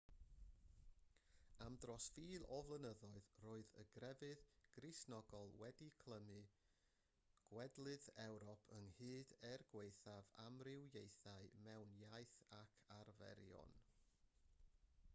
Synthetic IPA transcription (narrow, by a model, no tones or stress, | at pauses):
amdrɔsfiːlˠɔvlˠənəðɔɨðroːɨðə̰ɡrɛvɨðɡ̥rɨsnɔɡɔlˠwɛdikʰl̥ˠəmɨ | ɡ̥wɛdlˠɨðɛwɾɔpʰəŋhɨːdɛrɡwejθavamrɪwjejθaɨmɛwnjajθakʰarvɛ̰ɾjɔ̰n